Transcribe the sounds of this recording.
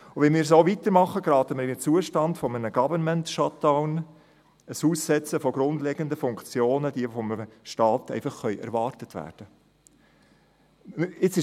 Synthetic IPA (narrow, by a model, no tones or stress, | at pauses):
ʊʋɛnmiːɾs̬oʊvit̪əɾmɑχːəɡɾɑːt̪əməɾɪnt͡suəʃtɑndfɔmənəɡ̥ɑvənmɛntʃɑtaʊn | əshuːsːɛt͡səfɔɡɾʊnd̪lɛɡəndəfʊŋkt͡sjoːnəd̥iəfɔməʃtɑːtɛ̰ɪfɑχːœʏʔæ̰ɾvɑːrtətvæ̰ːɾd̥ə | ɪt͡sɪ